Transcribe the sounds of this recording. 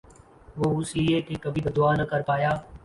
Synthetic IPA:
ʋoːʊsieːkeːkəbʱiːb̪əd̪ʊaːnəkəɾpaːjaː

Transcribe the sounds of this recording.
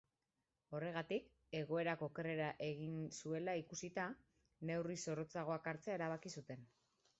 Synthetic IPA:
o̞re̞ɣ̞at̪ik | e̞ɣ̞o̞e̞ɾako̞ːke̞re̞ɾaʔe̞ɣinsue̞laikusit̪a | ne̞wriso̞rot͡saɣ̞o̞akaɾt͡seae̞ɾaβ̞akisut̪e̞n

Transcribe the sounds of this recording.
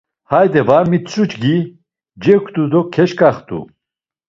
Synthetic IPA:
hajd̪ɛvaɾmit͡sʼut͡ʃɡi | d͡ʒɛkʰt̪ʼud̪ɔkʰɛʃkʼaχt̪ʼṵ

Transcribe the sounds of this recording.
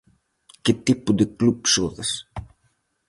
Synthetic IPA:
ket̪ipud̪eklupsoðɐs

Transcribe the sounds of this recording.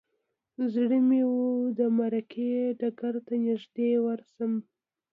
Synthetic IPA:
zɽəmewud̪əmaɾakʰeɖaɡaɾt̪anɪʒd̪ewaɾsəm

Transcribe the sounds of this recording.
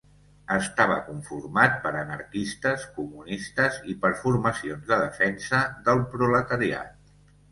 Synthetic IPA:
əst̪aβə̰kuɱfurmat̪̚pəɾənəɾkist̪əskumunist̪əzipəɾfuɾməsionzðəðəfɛnsəðəlˠpɾulət̪əɾia̰t̪̚

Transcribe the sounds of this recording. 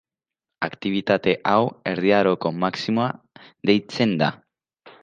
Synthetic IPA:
akt̪iβ̞it̪at̪e̞ʔawe̞ɾðiaɾo̞ko̞maksimoa | ðe̞jt͡se̞nd̪a̰

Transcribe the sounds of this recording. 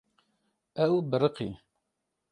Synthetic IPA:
æwbəɾˤəqḭ

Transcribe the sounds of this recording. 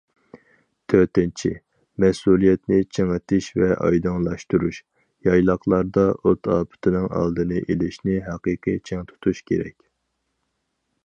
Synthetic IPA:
t̪ʰøt̪ɪnt͡ʃʰḭ | mɛsulˠijɛt̪nɪt͡ʃʰeŋɨt̪ʰɪʃvɛʔɑ̰jd̪ɑŋlˠɑʃt̪uɾuʃ | jɑjlˠɑχlˠɑɾd̪ɑʔot̪ʰɑːpʰɪ̥t̪ʰɪnɨŋɑ̰lˠd̪ɨnɨʔelɪʃnɪɦɛqɨːqʰɨt͡ʃʰɛŋt̪ʰu̥t̪ʰuʃkʲʰeɾɛ̰kʲ

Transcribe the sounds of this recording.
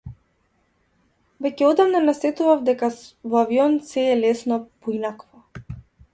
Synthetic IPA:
vɛcʲɛɔd̪amnanasɛt̪uvavd̪ɛkavɔaviɔnsɛːlɛsnɔpɔinakvɔ

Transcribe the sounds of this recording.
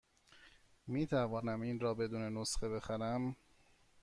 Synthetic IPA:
miːt̪ʰævɒːnæminɾɒːbe̞d̪uːnenosχe̞be̞xæɾæm

